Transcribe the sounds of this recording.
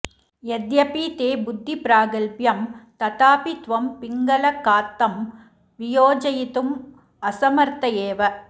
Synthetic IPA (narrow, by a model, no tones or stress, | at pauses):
ɛd̪jɐpiːt̪eːbʊd̪ʱːipɾaːɡɐlpjɐmt̪ɐt̪aːpit̪ʋɐmpɪŋɡɐlɐkːaːt̪ːɐm | ʋɪjoːd͡ʒɐjɪt̪ɯm | ɐsɐmɐɾt̪ɐjeːʋɐ